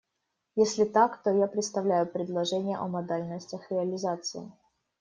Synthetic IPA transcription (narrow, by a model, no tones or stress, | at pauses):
jesʲlʲɪt̪akt̪ojapɾʲɪt̪st̪ɐvlʲæjʊpɾʲɪd̪lˠɐʐɛnʲɪjə̰ʔɐmɐd̪alʲnəsʲtʲəxɾʲɪəlʲɪzat̪sɨɪ